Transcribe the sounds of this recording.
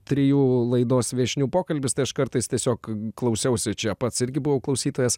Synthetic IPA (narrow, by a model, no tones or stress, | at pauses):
t̪ʲɾʲɪjuːlˠɐɪd̪oːsʋʲiɛʃʲnʲuːpoːkɐlʲbʲɪst̪ɐɪɐʃkɐɾt̪ɐɪst̪ʲiɛsʲoːkklˠɐʊsʲɛʊsʲɪt͡ʃʲɛpɐt̪sɪɾʲɡʲɪbʊʋɐʊklˠɐʊsʲiːt̪oːjɛs